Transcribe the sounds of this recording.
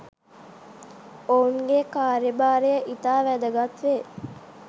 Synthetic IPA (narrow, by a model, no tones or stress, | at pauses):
ouŋɡekaːɾibaːɾijəʔit̪aːʋæd̪əɡat̪ʋe